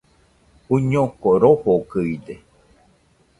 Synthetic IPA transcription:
uɲokoɾohokɨid̪e

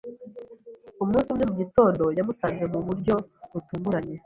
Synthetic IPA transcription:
ummuːnsiumɲe̞muɟito̞ːndo̞jamusaːnze̞muβuɾɟo̞βutuːŋɡuɾaɲe̞

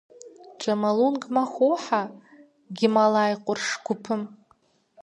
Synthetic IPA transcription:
ʈ͡ʂʷʼamalunɡmaχʷowħa | ɡʲɪmalajqʷʼʊrʂɡʷʊpʰɨm

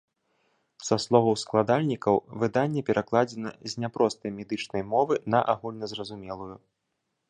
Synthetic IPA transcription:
saslˠɔvɐwsklˠad̪alʲnʲikɐwvɨd̪anʲːɛpʲɛɾʔaklˠad͡zʲɛnɐ̰zʲnʲapɾɔst̪ɐjmʲɛd̪ɨt͡ʂnɐjmɔvɨnɐʔaɣulʲnɐzrɐzumʲɛlˠuju

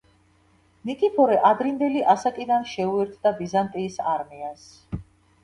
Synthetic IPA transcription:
nikʼipʰɔɾɛʔad̪ɾind̪ɛliʔasakʼid̪anʃɛuɛɾt̪ʰd̪abizant̪ʼiːsaɾmias

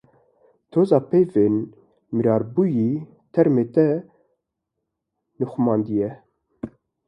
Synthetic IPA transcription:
t̪ʰoːzɑːpʰejveːn | mɨɾɑːɾbuːjiː | t̪ʰɛɾmeːt̪ɛ | nɨxʊmɑːnd̪ijɛ

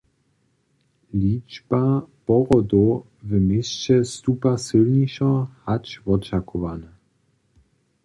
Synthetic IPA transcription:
lʲid͡ʒbapɔɣɔd̪o | vəmʲjest͡ɕɛst̪upasɘlɲiʃɔ̃hat͡ɕvɔt͡ʃakʰɔvana

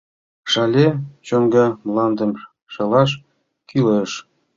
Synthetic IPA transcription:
ʂɑlʲet͡ɕoŋɡɤ̆mlˠɑnd̪ɤ̆m | ʃɤ̆lɑʃ | kyleʃ

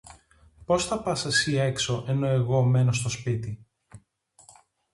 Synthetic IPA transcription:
po̞sθɐpɐsɐsie̞kso̞ʔe̞no̞e̞ɣo̞me̞nost̪o̞spit̪i

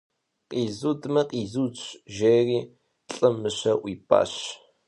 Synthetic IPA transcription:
qʼiːzuːdmɐqʼiːzut͡ʃʼʒeːriː | ɬʼɐmɨɕɐʔʷiːpʼa̰ːɕ

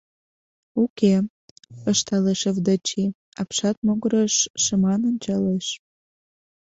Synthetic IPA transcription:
uke | əʃt̪ɑleʃəvd̪ət͡ɕi | ɑ̰pʃɑt̪̚moɣəɾəʃːə̆mɑnənʲt͡ɕɑleʃ

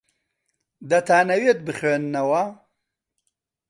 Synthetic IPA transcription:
d̪ɐt̪ʰaːnɐwet̪̚bɨχweːnːɐwɐ

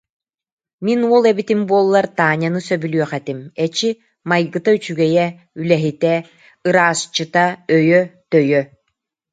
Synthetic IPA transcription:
minuɔlˠɛbit̪imbuɔlˠːaɾt̪aːɲanɯsœbylyœχɛt̪imɛt͡ɕi | majɡɯt̪ayt͡ɕyɡɛjɛ | ylɛɦit̪ɛ | ɯɾaːst͡ʃɯt̪aœjœt̪œjœ

